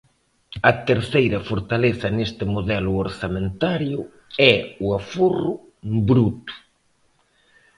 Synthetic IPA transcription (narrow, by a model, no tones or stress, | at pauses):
ɐt̪eɾθejɾɐfoɾt̪aleθɐnest̪ɪmoðɛlʊoɾsamẽnt̪aɾjʊ | ɛʊaforʊ | bɾut̪ʊ̥